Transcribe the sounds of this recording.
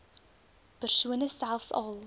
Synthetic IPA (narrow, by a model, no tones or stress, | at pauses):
pərsuənəsælˠfsɑ̰lˠ